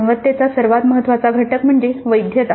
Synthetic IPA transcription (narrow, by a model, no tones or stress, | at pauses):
ʋət̪ːjat͡sasəɾʋat̪məɦət̪ːʋat͡saɡʱəʈəkm̤əɳd͡zeʋəjd̪ʱjət̪a